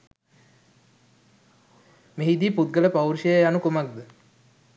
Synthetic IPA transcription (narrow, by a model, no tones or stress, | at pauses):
meɦid̪iːput̪̚ɡələpawɾʃəjanukumak̚d̪ə